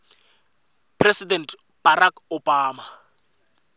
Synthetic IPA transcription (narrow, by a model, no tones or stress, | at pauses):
pʰresidɛnt | b̥aɾakobaːma